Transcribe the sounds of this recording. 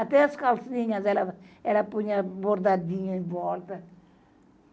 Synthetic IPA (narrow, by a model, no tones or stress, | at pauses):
ɐt̪ɛɐskalsiɲɐzɛlɐɛlɐpuɲɐboɾd̪ad̪iɲʊẽvɔlt̪ɐ